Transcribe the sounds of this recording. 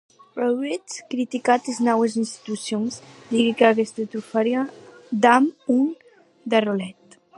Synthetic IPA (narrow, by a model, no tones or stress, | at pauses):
bɾowɣɾit͡skɾit̪ikat̪eznɔwezinst̪i̥t̪usjonzd̪iɣikaɣest̪et̪ɾufaɾjad̪amun | d̪arolɛt̪